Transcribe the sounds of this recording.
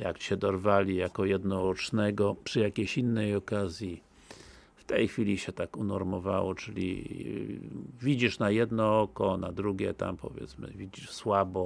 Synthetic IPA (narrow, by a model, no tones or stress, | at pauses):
jakt͡ɕɛd̪ɔɾvalʲijakɔjɛd̪nɔɔt͡ʂnɛɡɔpʂɨjakʲeɕinːɛjɔkazʲji | ft̪ɛjxfʲilʲiɕɛt̪akunɔɾmɔva̰wɔ̰t͡ʂɘlʲḭ | vʲid͡ʑiʂnajɛd̪nɔɔkɔnad̪ɾuɡʲɛt̪a̰mpɔ̰vʲjɛ̰t̪smɘ̰vʲid͡ʑiʂswabɔ